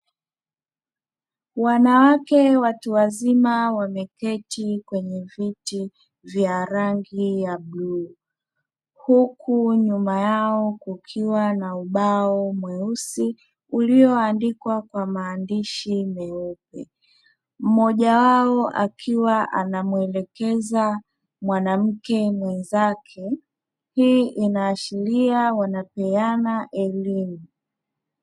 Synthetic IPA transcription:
wanawakɛwatuwazimawamɛkɛtikwɛɲɛviti | vjaɾaŋɡijabluː | hukʰuɲumajaɔkukʰiwanauɓaɔmwɛusi | uliɔandikwakwamaːndiʃimɛup̚ɛ̰ | m̩mɔʄawaɔʔa̰kʰiwaʔa̰namuɛlɛkɛza | mwanam̩kɛmwɛnzakʰɛ | hiʔinaːʃiɾiawanapɛanaʔɛlimu

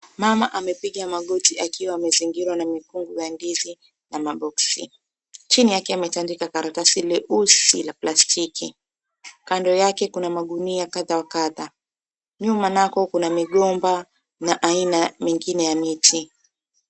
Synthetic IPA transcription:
mamaʔamɛpiɠamaɠɔtiakiwaːmɛziŋɡiɾwanamikuŋɡujandizi | namaɓɔksi | t͡ʃinijakɛamɛtandikakaɾatasilɛʔusilaplastʰikʰi | kandɔjakɛkunamaɠuniakaðawakaða | ɲumanakɔkunamiɠɔmba | naʔainamiŋɡinɛjamiti

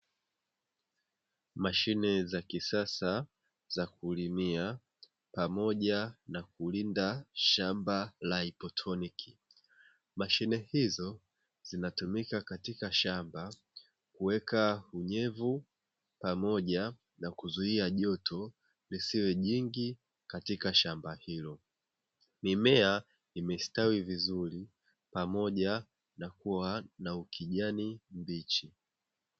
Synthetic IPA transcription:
maʃinɛzakisasa | zakulimia | pamɔʄanakulindaʃambalaipɔtʰɔnikʰi | maʃinɛhizɔ | z̥inatumikakatikaʃamba | kuwɛkauɲɛvu | pamɔʄa | nakuzuiaʄɔtʰɔ | lisiwɛʄiŋɡi | katikaʃambahilɔ | mimɛa | imɛstawivizuɾi | pamɔʄa | nakuwanaukʰiʄanimbit͡ʃi

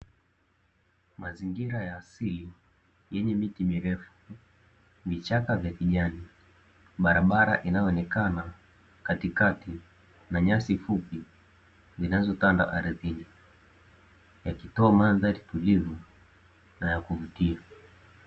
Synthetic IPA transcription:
maziŋɡiɾajaːsili | jɛɲɛmitimiɾɛfu̥ | vit͡ʃakavjakiʄani | ɓaɾaɓaɾa̰ʔinajɔɔnɛkana | katikati | naɲasifupi | zinazɔtanda̰ʔaɾiðini | jakitɔamanðaɾitulivu | najakuvutia

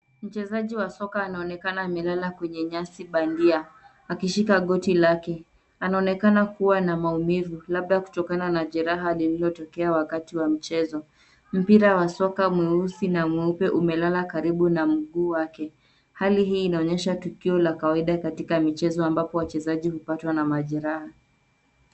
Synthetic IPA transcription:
m̩t͡ʃɛzaʄiwasɔkaːnaɔnɛkanaːmɛlalakwɛɲɛɲasiɓandia | akiʃikaɠɔtilakɛ | anaɔnɛkanakuwanamaumivulab̚ɗaku̥tɔkananaʄɛɾaɦalililɔtɔkɛawakatiwam̩t͡ʃɛzɔ | m̩piɾawasɔkamwɛusinamwɛupɛʔumɛlalakaɾiɓunam̩ɠuːwakɛ | haliɦiːnaɔɲɛʃatukiɔlakawaiɗakatikamit͡ʃɛzɔambapɔwat͡ʃɛzaʄihupatwanamaʄɛɾaha

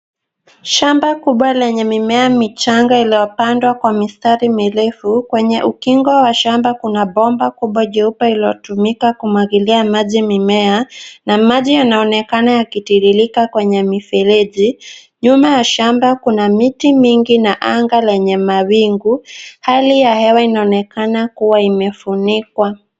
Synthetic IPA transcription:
ʃambakuɓwalɛɲɛmimɛamit͡ʃaŋɡailijɔpandwakwamistaɾimilɛfukwɛɲɛʔukiŋɡwɔwaʃambakunaɓɔmbakuɓwaʄɛupailiɔtumikakumwaɡiliamaʄimimɛanamaʄijanaɔnɛkanajakitiɾilikakwɛɲɛmifɛlɛʄi | ɲumajaʃambakunamitimiŋɡinaʔaŋɡalɛɲɛmawiŋɡuhalijahɛwainaɔnɛkanakuwaimɛfunikwa

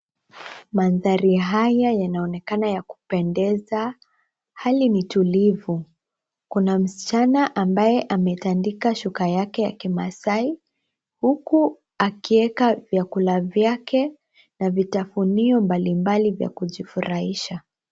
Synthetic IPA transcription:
manðaɾiɦajajanaɔnɛkanajaku̥pɛndɛza | halinitulivu | kunam̩si̥t͡ʃanaʔambajɛʔamɛtandikaʃukajakɛjakimasai | huku | akiɛkavjakulavjakɛ | navitafuniɔmbalimbalivja̰kuʄifuɾʔahiʃa

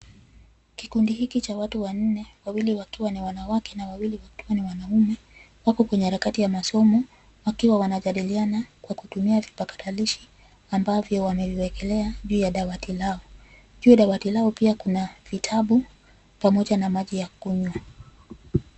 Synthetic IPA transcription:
kikundihikit͡ʃawatuwan̩nɛwawiliwakiwaniwanawakɛnawawiliwakiwaniwanaumɛ | wakɔkwɛɲɛhaɾakatijamasɔmɔ | wakiwawanaʄaɗilianakwakutumiavipakḁtʰaliʃi | ambavjɔwamɛviwɛkɛlɛaʄuːjaɗawatilaɔ | ʄuːɗawatilaɔpiakunav̥itʰaɓu | pamɔʄanamaʄijakuɲwa

